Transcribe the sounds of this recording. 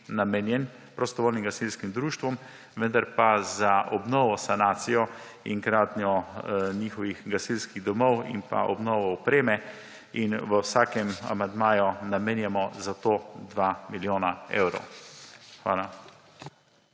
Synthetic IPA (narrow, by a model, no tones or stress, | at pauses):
namenjɛn | pɾɔst̪ɔʋoːlnimɡasilskimd̪ɾuːʃt̪ʋɔm | ʋənd̪aɾpazaʔɔbnɔːʋɔsanaːt̪sijɔ | iŋkɾaːt̪njɔɲiːxɔʋiɣɡasilskiɣd̪ɔmɔwḭmpa̰ʔɔ̰bnɔːʋɔɔpɾeːmɛ | inʋəwsaːkɛma̰mand̪maːjɔnameːnjɛmɔzat̪oːd̪ʋaːmiljoːnaḛwɾɔ̰w | xʋa̰ːla